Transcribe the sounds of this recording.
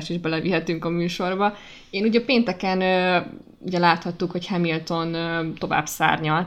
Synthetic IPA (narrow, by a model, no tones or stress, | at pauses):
ʃiʒbɛlɛviɦɛt̪yŋkɒmyːʃo̞rbɒ | eːnuɟɒpeːnt̪ɛkɛnø | ṵɟɛlaːt̪hɒt̪ːukho̞chɛmilt̪o̞nːt̪o̞va̰ːbsa̰ːrɲɒl